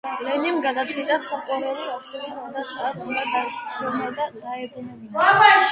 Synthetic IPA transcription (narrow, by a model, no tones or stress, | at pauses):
lɛnimɡad̪at̪ʰwit̪ʼasaqʼwaɾɛliasɛvɛd̪at̪sʼaat̪ulad̪aisd͡ʒɛmad̪ad̪aɛbɾunɛi